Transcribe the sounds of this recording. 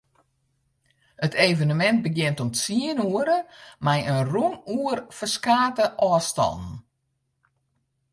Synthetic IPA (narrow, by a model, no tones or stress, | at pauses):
ətʰejvənəmɛnt̚bəɡjɪntɔmsiənuəɾəmajənrunuərfəskaːtəʔɔːstɔ̰lˠn̩